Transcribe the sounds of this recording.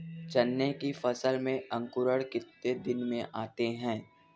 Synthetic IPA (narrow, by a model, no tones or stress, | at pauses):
t͡ʃɐnːekifɐsəlmẽɐ̃ŋkʊɾəɽkɪt̪ːed̪ɪnmẽʔaːt̪eɦɛ̃ː